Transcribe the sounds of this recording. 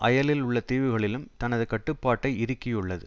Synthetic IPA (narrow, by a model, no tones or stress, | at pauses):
ʔɐjɐlɪlʊɭːɐt̪iːʋɪɣɐɭɪlɯmt̪ɐnɐðɯkɐʈːɯpːaːʈːɐɪɪɾɯkːɪjɯɭːɐðɯ̰